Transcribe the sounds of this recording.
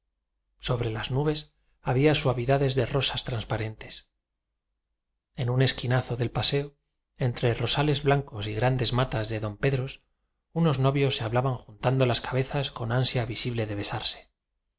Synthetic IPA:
so̞βɾe̞laznuβe̞s | aβ̞iaswaβiðaðe̞zðe̞ro̞sast̪ɾanspaɾe̞nt̪e̞̥s | e̞nune̞skinaθo̞ðe̞lpase̞o | e̞nt̪ɾe̞ro̞sale̞zβlaŋko̞siɣɾand̪e̞zmat̪azðe̞ðo̞mpe̞ðɾo̞s | uno̞zno̞βjo̞sːeaβlaβaŋxunt̪and̪o̞laskaβe̞θasko̞nansjaβisiβle̞ðe̞βe̞saɾse̥

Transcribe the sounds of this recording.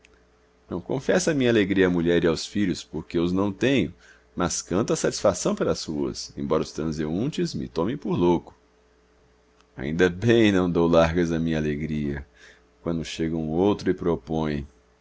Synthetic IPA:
nɐ̃w̃kõfɛsɐmĩɲaleɡɾiɐamuʎɛɾɪawsfiʎʊspoɾkeʊznɐ̃w̃t̪ẽɲʊ | mɐskɐ̃nt̪ʊɐsat͡ʃi̥sfasɐ̃w̃pɐɾɐːsuɐ̰sḛ̃bɔɾɐʊst̪ɾɐ̃zeũt͡ʃɪzmɪ̰t̪õmẽpoɾlowkʊ̥ | a̰ḭ̃nd̪ɐbẽj̃nɐ̃w̃d̪owlaɾɡɐzɐmĩɲɐaleɡɾiɐ | kwɐ̃nd̪ʊʃeɡɐũowt̪ɾʊɪpɾopõj̃

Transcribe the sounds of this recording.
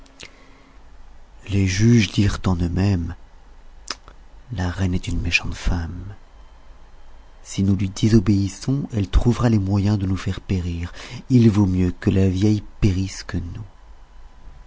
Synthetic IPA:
leʒyʒd̪iʁt̪ɑ̃nømɛm | laʁɛnɛt̪ynmeʃɑ̃t̪fam | sinulɥid̪ezɔbeisɔ̃ɛlt̪χuvʁalemwajɛ̃d̪ənufɛʁpeʁiʁilvomjøkəlavjɛjpeʁiskənu

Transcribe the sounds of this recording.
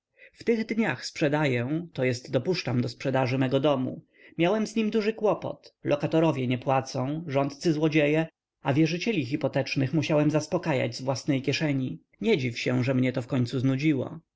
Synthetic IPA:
ft̪ɘɣd̪ɲaxspʂɛd̪ajɛ̃t̪ɔjɛst̪d̪ɔpuʂt͡ʂamd̪ɔspʂɛd̪aʐɘmɛɡɔd̪ɔmṵ | mʲjawɛmzɲimd̪uʐɘkwɔpɔ̰t̪lʔɔkat̪ɔɾɔvʲjɛɲɛpwat̪sɔ̃w̃ʐɔnt̪t̪sɘzwɔd͡ʑejɛ | avʲjɛʐɘt͡ɕɛlʲixipɔt̪ɛt͡ʂnɘxmuɕawɛmzaspɔkaja̰d͡ʑzvwasnɛjkʲjɛʂɛɲi | ɲɛd͡ʑifɕɛ̃ʐɛmɲɛt̪ɔfkɔɲʲt̪suznud͡ʑiwɔ̰

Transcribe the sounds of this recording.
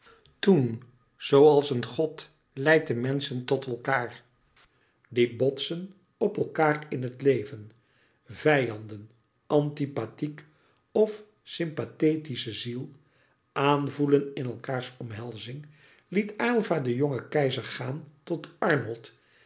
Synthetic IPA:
tun | z̥owɑlˠsənχɔt | lɛjt̚dəmɛnsəntɔtɛlˠkaːɹ | dibɔtsən | ɔpɛlˠkaːrɪnɦətlejvən | v̥ɛjɑndən | ʔɑntipatik | ɔf | sɪmpatejtisəzilˠ | ʔaːnvulənɪnɛlˠkaːɹsɔmɦɛlˠzɪŋ | litaːlˠvaːdəjɔŋəkɛjzəɹχaːntɔtɑɹnɔlˠt

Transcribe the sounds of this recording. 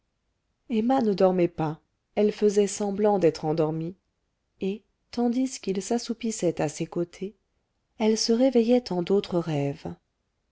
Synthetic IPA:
emanəd̪ɔʁmɛpa | ɛlfəzɛsɑ̃blɑ̃d̪ɛt̪χɑ̃d̪ɔʁmi | e | t̪ɑ̃d̪iskilsasupisɛt̪asekot̪ʰe | ɛlsəʁevɛjɛt̪ɑ̃d̪ot̪χəʁɛv

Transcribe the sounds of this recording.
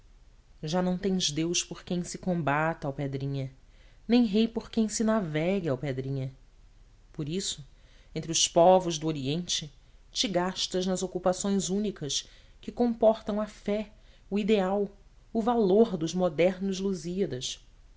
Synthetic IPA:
ʒanɐ̃w̃t̪ẽj̃zd̪ewspoɾkẽj̃sɪkõmbat̪ɐawped̪ɾĩɲɐ | nẽj̃ɦejpoɾkẽj̃sɪnavɛɡɪawped̪ɾĩɲɐ | poɾisʊ | ẽnt̪ɾɪʊspɔvʊʒd̪ʊoɾiẽnt͡ʃɪ | t͡ʃɪɡaʃt̪ɐʒnɐzokupasõj̃zũnikɐskɪkõmpɔɾt̪ɐ̃w̃ɐfɛ | ʊid̪eaw | ʊvaloɾd̪ʊʒmod̪ɛɾnʊzluziɐd̪ɐs

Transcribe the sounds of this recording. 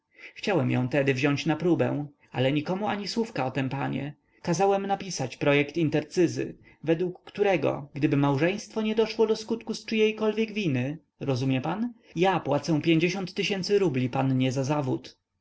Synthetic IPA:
xt͡ɕawɛmjɔ̰̃w̃t̪ɛd̪ɘvʑɔɲt͡ɕnapɾubɛ̰̃ | a̰lɛɲikɔmuaɲiswufkaɔt̪ɛmpaɲɛ̰ | kazawɛmnapʲisat͡ɕpɾɔjɛkt̪int̪ɛɾt̪sɘzɘ̰ | vɛd̪wukːt̪uɾɛɡɔ̰ɡd̪ɘbɘmawʐɛ̃j̃st̪fɔɲɛd̪ɔʂwɔd̪ɔskut̪kust͡ʂɘjɛjkɔlvʲjɛɡvʲinɘ | ɾɔzumʲjɛpanjapwat̪sɛw̃pʲjeɲd͡ʑeɕɔnt̪ːɘɕɛnt̪sɘɾublʲipanɲɛzazavut̪

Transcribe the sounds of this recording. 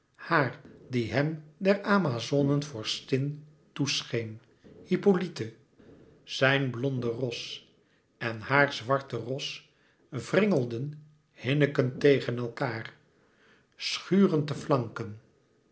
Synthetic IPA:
haːrdiɦɛmdɛɹaːmazonənvʊːɹstɪn | tusχejn | hipolitə | z̥ɛjnblɔndərɔs | ɛnhaːɹzʋɑɹtərɔs | vrɪŋəlˠdən | hɪnəkəntejχənɛlˠkaːr | sχyːrəntəflɑŋkən

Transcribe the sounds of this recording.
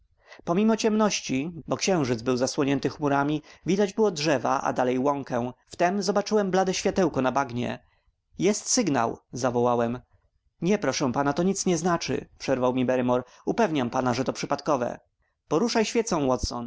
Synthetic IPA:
pɔmʲimɔt͡ɕɛmnɔɕt͡ɕibɔkɕɛ̃w̃ʐɘd̪zbɘwzaswɔɲɛnt̪ɘxmuɾamʲivʲid̪ad͡ʑbɘwɔdʐɛva̰ʔa̰d̪alɛjwɔŋkɛ̃ft̪ɛmzɔbat͡ʂɘwɛmblad̪ɛɕfʲjat̪ɛwkɔnabaɡɲɛ̰ | jɛst̪sɘɡna̰wzavɔwawɛm | ɲɛpɾɔʂɛ̃panat̪ɔɲit̪sɲɛznat͡ʂɘ̰pʂɛɾvawmʲibɛɾɘmɔɾ | upɛvɲampanaʐɛt̪ɔpʂɘpat̪kɔvɛ̰ | pɔɾuʂajɕfʲɛt̪sɔ̃w̃wɔt̪sɔ̰n

